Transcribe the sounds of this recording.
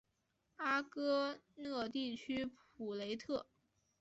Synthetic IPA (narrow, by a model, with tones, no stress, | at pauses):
a˥kɤ˥nɤ˥˧t̪i˥˩t͡ɕʰy˥pʰ | u˨˩le˧˥ɪt̪ʰɤ˥˩